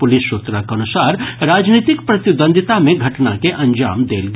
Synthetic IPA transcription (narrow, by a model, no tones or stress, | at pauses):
pʊlɪsːoːt̪ɾakɐnʊsaːɾɾaːd͡ʒniːt̪ɪkpɾɐt̪ɪb̪ə̃nd̪ʱɪt̪amẽɡʱɐʈna̰keʔɐ̃ɲd͡ʒa̰ːmd̪ḛːlɡ